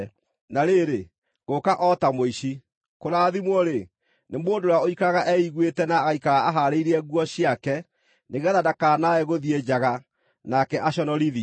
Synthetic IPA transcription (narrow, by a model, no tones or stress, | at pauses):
naɾeɾe | ɣokaʔɔtamoiʃi | koɾaːðimwɔɾe | nemoːndoɾaoikaɣaʔɛiɣwetɛnaːɣaikaɣaaɦaɾeiɾiɛɣwɔɕiakɛ | neɣɛðadakaːnaɛɣoðied͡ʑaɣa | nakɛʔaɕɔnɔɾiði